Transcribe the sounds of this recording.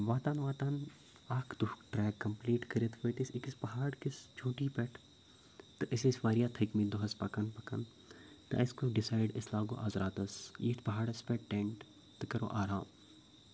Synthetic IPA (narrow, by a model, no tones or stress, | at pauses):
ʋaːt̪aːnʋaːt̪aːn | aːkʰd̪uhʈɾɛːkːɐmpliːʈkɐɾit̪ʰʋɐt̪isikɪspɐɦaːɽkɪst͡ʃʰũːʈiːpɛʈʰ | t̪ɨʔɪsesʋaːɾijaːt̪ʰɐkmĩd̪uɦɐspɐkɐnpɐkɐn | t̪ɨɐ̰ɪskoɖɪsaːɪɖɪslaːɡo̰ːʔaːzɾaːt̪ɐsjḭt̪ʰpɐɦaːɽɐspɛʈːẽɳʈ | t̪ɨkɐɾo̰ːʔaːɾaːm